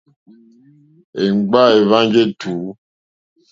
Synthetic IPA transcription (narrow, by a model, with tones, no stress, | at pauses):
e˨ŋ͡mɡ͡ba˦e˨va˦ŋ˦d͡ʒe˦tʰu˨˦